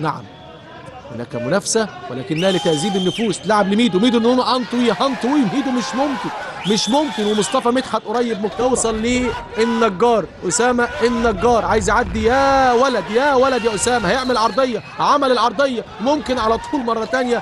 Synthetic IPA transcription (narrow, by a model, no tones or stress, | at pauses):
na̰ʕa̰m | ho̰nːæ̰kæmʊnæfsæwælæ̰ːkɪnːæhælet̪æʔziːbenːɪfuːst̪laʕablimiːd̪uwmiːd̪uʔenːhonæʔɑnt̪ˤwihɑnt̪ˤwiːmiːd̪umɪʃmomkɪn | mɪʃmomkɪnwemosˤt̪ˤɑfɑmiːt̪ħat̪ʔoɾˤɑjːeb̚mot̪ɑwsˤɑlːiː | ʔenːæɡːɑːɾˤʔosæːmæʔenːæɡːɑːɾˤʕaːjezʔaʕad̪ːijæwælæd̪jæːwælæd̪jæʔosæːmæhæjeʕmælʕɑɾˤd̪ˤejːɑhʕamælelʕɑɾˤd̪ˤejːɑmomkɪnʕalæt̪ˤʰuːlmɑrˤːɑt̪ænjæ